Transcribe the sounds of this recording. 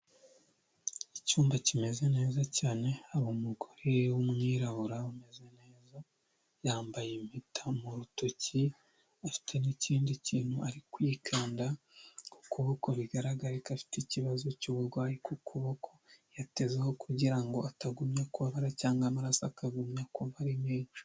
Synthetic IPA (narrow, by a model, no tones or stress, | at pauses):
icuːmbacime̞ze̞ne̞ːzacaːne̞aβomuɡoɾewumŋiːɾaβuɾaume̞ze̞ne̞ːza | jaːmbajemitʰamuɾutoci | afi̥tʰe̞nicʰiːndiciːn̥huaɾikwiːkʰaːnda | ku̥kuβokoβiɡaɾaɡaɾekafi̥ticiβazocuβuɾɡwaːjikukʰuβokʰojate̞zeho̞kʰuɟiɾaŋɡo̞ataɡumɲakuaβaɾacaːŋɡamaɾasakaɡumɲakuβaɾimeːɲo̥